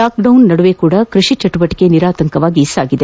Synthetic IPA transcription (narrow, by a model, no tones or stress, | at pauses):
aːk̚ɖɐwnnɐɽuʋekuːɽɐkɾuʂit͡ʃɐʈubɐʈːi̥ke̞niɾaːt̪ɐŋkɐʋaːɡiːsaːɡid̪e